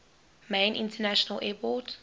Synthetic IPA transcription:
mẽnʔḭ̃ntʰənaʃɔnəlʔɛpɔt

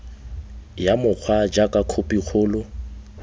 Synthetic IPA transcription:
jamʊk͡xʰwad͡ʒakʼakʰʊpʼik͡xʰʊːlʊ

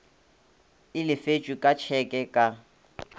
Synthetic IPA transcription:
ɪlɪfet͡ʃʼwikʼat͡ʃʰɛkʼɛkʼa

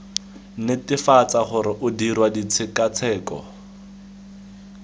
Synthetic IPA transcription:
nɪtɪfat͡saχʊɾɪʔʊdirwadit͡sʰɪkat͡sʰɛːkɔ̰

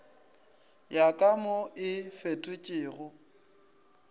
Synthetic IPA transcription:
jakʼamoɪfetʼʊt͡ʃʼɪːɣʊ

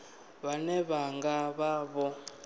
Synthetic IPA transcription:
βanɛβaŋɡaβaβɔ

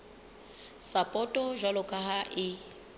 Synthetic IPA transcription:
sapʼɔtʼɔʒalɔkʰʼaɦaʔɪ

